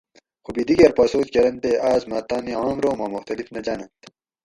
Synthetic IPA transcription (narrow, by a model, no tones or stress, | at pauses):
xubid̪iɡɐɾpaːsoːt͡ɕkɐɾɐnt̪eːaːzmaːt̪aːniaːmɾoːmaːmuxt̪ɐlifnɐd͡ʑaːnɐnt̪